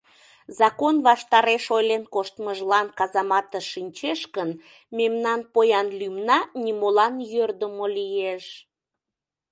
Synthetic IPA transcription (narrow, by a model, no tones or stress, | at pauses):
zɑkonβɑʃt̪ɑɾeʃojlenkoʃt̪məʒlɑnkɑzɑmɑt̪əʃinʲt͡ɕeʃkən | memnɑnpojɑnlymnɑnimolɑnjørd̪əmolijeʃ